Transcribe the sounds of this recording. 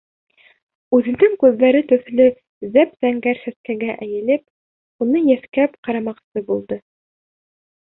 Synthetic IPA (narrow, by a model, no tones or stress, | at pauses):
ʉðɘ̆nd̪ɘŋkʉðːæɾɘt̪ɵ̆θlɵ | zæpzæŋɡæɾsæskæɡæʔæjɘ̆lɘp | unɤjæθkæpqɑɾɑmɑqsɤbulˠd̪ɤ